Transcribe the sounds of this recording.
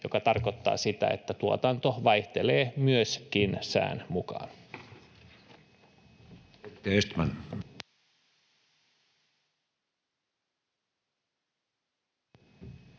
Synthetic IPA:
jo̞kɑt̪ɑrko̞t̪ːɑ̰ːsit̪æ̰ḛt̪ːæt̪uo̰t̪ɑnt̪o̞ʋɑjht̪eleːmyøskinsæ̰ːnmukɑ̰ːn | et̪ːeest̪mæn

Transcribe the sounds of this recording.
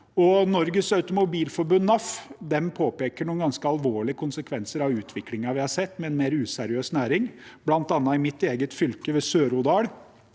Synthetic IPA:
ɔnɔɾɡəsɑʉt̪ʊmʊbiːlfɔɾbʉnːɑfd̪ɛmpʰoːpeːkəɳuːnɡɑnskəɑlʋoːɭɪəkʰʊnsəkʰʋɛnsəɾɑʋʉːt̪ʰʋɪklɪŋɑʋɪhɑʂɛt̪ːmɛɛnmeːɾʉːsæɾɪøːsnæːɾɪŋb̥lɑnt̪ɑnːɑɪmɪt̪ːeːɡət̪fʏlkəʋeːsøːɾʊd̪ɑːɽ

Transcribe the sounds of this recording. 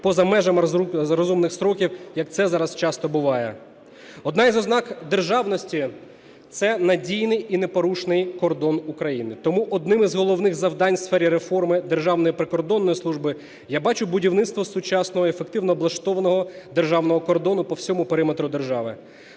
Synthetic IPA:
pɔzɐmɛʒɐmɾɔzumnɪxsɾɔkʲiwjɐk̚t̪sɛzɑɾɐst͡ʃɑst̪ɔbʊʋɑjɛ | ɔd̪nɑjzɔznɑkd̪erʒɑwnɔsʲtʲi | t̪sɛnɐdʲijnɪjinepɔɾuʃnɪjkɔrd̪ɔnukɾɐjinɪt̪ɔmuʔɔd̪nɪmizɦɔlˠɔwnɪxzɐwd̪ɑnʲsfɛɾʲiɾefɔrmɪd̪e̞rʒɑwnɔjipɾekɔrd̪ɔnːɔjislˠuʒbɪ | jabɑt͡ʃʊbʊdʲiwnɪt̪st̪ʋɔsʊt͡ʃɑsnɔɦɔefek̚t̪ɪwnɔblˠɐʃt̪ɔʋɐnɔɦɔd̪e̞rʒɑwnɔɦɔkɔrd̪ɔnʊpɔwsʲɔmʊpeɾɪmet̪ɾʊd̪erʒɑʋɪ

